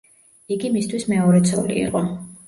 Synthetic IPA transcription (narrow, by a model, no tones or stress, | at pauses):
iɡimist̪ʰwismɛɔɾɛt̪sʰɔ̰lḭḭqʼɔ